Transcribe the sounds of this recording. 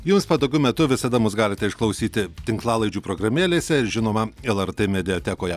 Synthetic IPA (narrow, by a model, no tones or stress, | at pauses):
jʊmspɐd̪oːɡʲʊmʲɛt̪ʊʋʲɪsɐd̪ɐmʊsɡɑːlʲɪt̪ʲɛɪʃklˠɐʊsʲiːt̪ʲɪt̪ʲɪŋklˠɑːlˠɐɪd͡ʒʲuːpɾoːɡɾɐmʲeːlʲeːsʲɛʒʲɪnoːmɐɛlˠɐɾt̪eːmʲɛd̪ʲɛot̪ʲɛkoːjɛ